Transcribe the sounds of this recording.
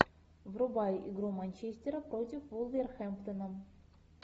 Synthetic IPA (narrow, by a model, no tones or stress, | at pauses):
vrʊbajʔɪɡɾumanʲt͡ɕesʲtʲɪɾəpɾotʲɪfvulˠvʲerxɛmpt̪ənə